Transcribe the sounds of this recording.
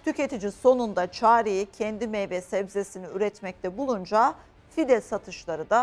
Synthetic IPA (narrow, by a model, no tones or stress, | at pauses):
t̪ʰyce̞t̪ʰid͡ʒiso̞nund̪at͡ʃʰaːɾejicʰɛnd̪imɛjvɛsɛbzesiniyɾɛt̪mɛc̚t̪ʰɛbulˠund͡ʒa | fid̪ɛlʲsat̪ʰɯʃlˠaɾɯd̪a